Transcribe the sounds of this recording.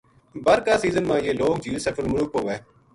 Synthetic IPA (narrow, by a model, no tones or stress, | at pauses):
bəɾkaːsiːzənmãːjeːloːk̚d͡ʒiːlsəfʰɪlmʊlʊk̚ɦoːʋeː